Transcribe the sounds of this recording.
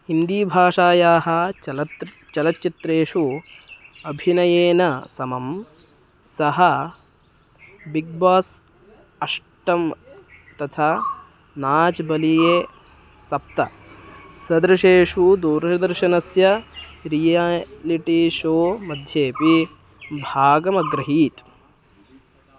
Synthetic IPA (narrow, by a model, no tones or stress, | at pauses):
ind̪iːbʱaːʂaːjaːɦɐ̆ | t͡ʃɐlɐt̪ːt͡ʃit̪ɾeːʂu | ɐbʱinɐjeːnɐsɐmɐm | sɐɦɐ | biɡ̚baːs | ɐʂ | ʈɐmt̪ɐt̪ʰaː | naːt͡ʃbɐlijeː | sɐp̚t̪ɐ | sɐd̪ɾɐʃeːʂud̪uːɾʃɐd̪ɐɾʃɐnɐsjɐɾijaliʈiʃoːmɐd̪ʱjeːpi | bʱaːɡɐmɐɡɾɐɦiːt̪